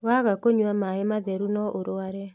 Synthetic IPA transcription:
waɣakoɲwamaemaðɛɾunɔʔoɾoaɾɛ

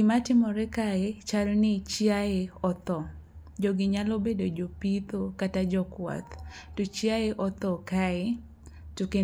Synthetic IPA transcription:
ɪmatɪmɔɾɛkaet͡ʃaɾonɪt͡ʃjaeɔt̪ɔ | d͡ʒɔɡɪɲalobedod͡ʒopit̪okatad͡ʒɔkwa̰t̪ | tot͡ʃjaeʔɔt̪ɔkae | tuke

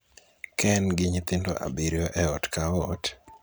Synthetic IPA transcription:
kʰɛnɡɪɲit̪ɪndo̰ʔa̰biɾjɔʔɛɔtkaɔt

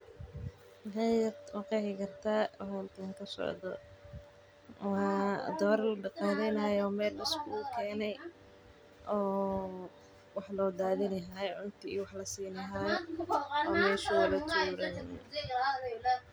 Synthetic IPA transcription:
ɦajjɐd̪wɑqɛhɪkʰɐrt̪ʰaːwɦɐlkʰaːŋkʰɐsɔ̰ʕd̪ɔ̰ | wɑːd̪ɔːɾlɐɖɐqaːðɛjnaːjɔːmɛːlːɪskʰʊʊkʰɛːnɛj | ʔɔː | wɑħlɔːd̪aːðɪnɐɦaːjʕʊnt̪ʰɪḭːwɑħlɐsiːnɐɦaːj | ɔːmɛːʃʊwlɐt̪ʰuːɾɐn

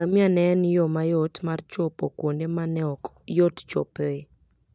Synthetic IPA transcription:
amianɛnjɔmajɔtmart͡ʃopokwondemanɛɔ | jott͡ʃo̰pe

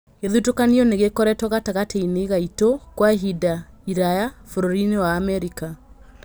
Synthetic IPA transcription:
eðutokaniɔneɣekɔɾɛtɔɣataɣateineɣaitokwaɦidaiɾajafoɾoɾinewaːmɛɾika

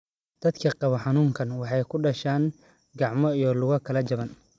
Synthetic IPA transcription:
d̪̥ɐd̪kʰɐqɑβɔħɑnuːŋkʰɐnwɑħɑjkʰʊɖɐʃaːŋ | ɡɑʕmɔijɔlʊɣɐkʰɐlɐt͡ʃɐβɐn

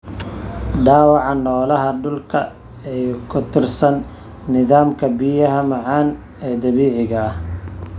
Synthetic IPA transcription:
ɖaːwɑʕɑnɔːlɐɦɐɖʊlkʰɐ̰ | ɛjkʰʊt̪ʰɪrsɐnː | ɪðaːmkʰɐbijɐɦɐmɑʕɑːn | ɛːd̪ɐβiːʕɪɣɐh

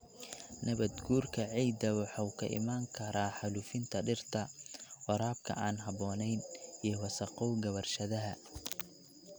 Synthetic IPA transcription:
nʔɐβɐd̪ɡuːrkʰɐʕijd̪ɐwɑħɔwkʰɐ̰ʔɪ̰maːŋkʰɐɾaːħɑluːfɪnt̪ʰɐɖɪrt̪ʰɐwɑɾaːb̚kʰɐ̰ʔaːnɦɑβɔːnɛjniːɔwɐsɐqɔwɡɐβɐrʃɐðɐɦɐ

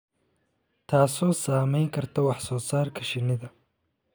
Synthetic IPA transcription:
t̪ʰaːsɔːsaːmɛjŋkʰɐrt̪ʰɔwɑħsɔːsaːrkʰɐʃɪnɪðɐ

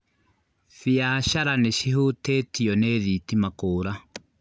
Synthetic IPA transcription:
fiaʃaɾanɛʃiɦutɛːtijɔnɛːðitimakoːɾa

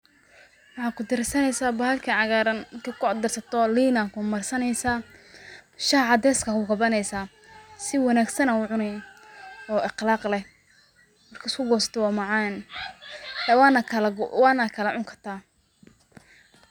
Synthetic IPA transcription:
wɑħɑːkʰʊd̪ɪɾɪsɐnɛjsaːbɐhɐlkʰɐʕɑɣaːɾɐnɪkʰɐkʰʊd̪ɪrsɐt̪ʰɔliːnakʰʊmɐrsɐnɛjsaː | ʃɐhʕɑd̪ɛːskʰɐkʰʊɡɐbɐnɛjsaː | sɪwɑnaːɡsɐnɐuːʕʊnɛj | ɔːɪqlɑːqlɛ | mɐrkʰɐʊskʰʊɡɔːsɐ̥t̪ʰɔwaːmɑʕɑn | ɛwnɐkʰɐlwaːnakʰɐlɐʕʊŋkʰɐrt̪ʰaː

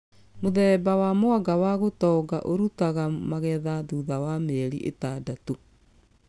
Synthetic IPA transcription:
moðɛːbawamoaɡawaɣotɔɡaʔoɾutaɣamaɣɛðaðuðawamɛɾiʔḛtadato

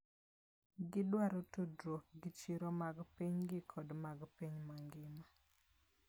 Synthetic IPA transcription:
ɡɪdwaɾotudɾoɡɪt͡ʃiɾɔmaɡpiɲɡɪkʰɔdmaɡpiɲmaŋɡɪma

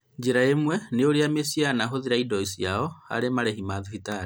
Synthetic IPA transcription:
d͡ʒiɾaemwɛneoɾiamesianaɦoðiɾaidɔisiaɔha̰ɾemaɾɛɦimaðuhitaɾi

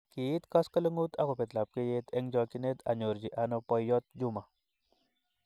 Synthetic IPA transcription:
kiːt̪kɐskələŋɡut̪ʰɐkopet̪lap̚kejet̪ʰeŋd͡ʒɔkinet̪a̰ɲoɾd͡ʑiʔanopɔjːɔt̪̚d͡ʒuma

